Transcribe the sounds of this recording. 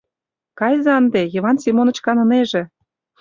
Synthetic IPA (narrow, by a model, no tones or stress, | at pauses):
kɑjzɑnd̪ejɤ̆βɑnsʲimonə̆t͡ɕkɑnɤ̆neʒĕ